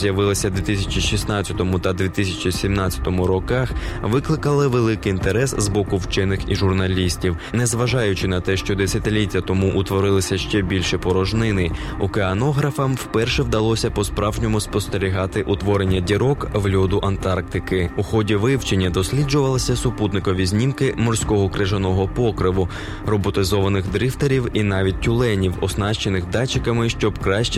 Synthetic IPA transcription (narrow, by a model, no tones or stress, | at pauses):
zjɐʋɪlˠɪsʲɐd̪ʋʲit̪ɪsʲɐ̥t͡ʃiʃʲisnɑt͡sʲɐt̪ɔmʊt̪ɐd̪ʲʋʲit̪ɪsʲɐt͡ʃisʲimnɑtʲt͡sʲːɐ̥t̪ɔmʊɾɔkɑxʋɪklˠɪkɐlˠɪʋe̞lˠɪkɪint̪eɾɛszbɔkʊwt͡ʃɪnɪxiʒʊrnɐlʲisʲtʲiw | nɛzʋɐʒɑjʊt͡ʃɪnɐt̪ɛʃt͡ʃɔd̪esʲɐt̪ɪlʲitʲːɐt̪ɔmuʔʊt̪ʋɔɾɪlˠɪsʲɐʃt͡ʃɛbʲilʲʃɛpɔɾɔʒnɪnɪʊkeɐnɔɦɾɐfɐmwpɛrʃɛwd̪ɐlˠɔsʲɐpɔspɾɑwʒnʲɔmʊspɔst̪eɾʲiɦɑt̪ɪʔʊt̪ʋɔɾenʲːɐdʲiɾɔkʋlʲɔd̪ʊʔɐnt̪ɑrk̚t̪ɪkɪuxɔdʲiʋɪwt͡ʃenʲːɐd̪ɔsʲlʲid͡ʒʊʋɐlˠɐsʲɐsʊput̪nɪkɔʋʲizʲnʲimkɪmɔrsʲkɔɦɔkɾɪʒɐnɔɦɔpɔkɾɪʋʊ | rɔbɔt̪ɪzɔʋɐnɪɣd̪ɾɪft̪ɐɾʲiwin̪ɑʋʲid̚ʲːʊlˠɛnʲiwɔsnɑʃt͡ʃenɪxd̪ɑt͡ʃɪkɐmɪʃt͡ʃɔbkɾɑʃt͡ʃ